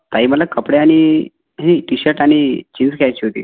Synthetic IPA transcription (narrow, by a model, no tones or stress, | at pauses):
t̪aɦiːməlakəpɽeaɽ̃i | ɦiʈiɕəɾʈaɽ̃it͡ɕind͡zkʰeajt͡ɕiːɦot̪ḭː